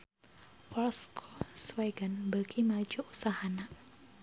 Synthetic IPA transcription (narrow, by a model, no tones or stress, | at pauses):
fɔlskʰosweɡənbəkʰimad͡ʒuʔusahana